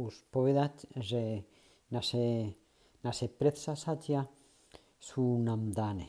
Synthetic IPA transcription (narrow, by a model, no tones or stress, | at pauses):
uspoβeðat̪ʐe | nase | nasepɾet̪sasat̪ja | sunamd̪ane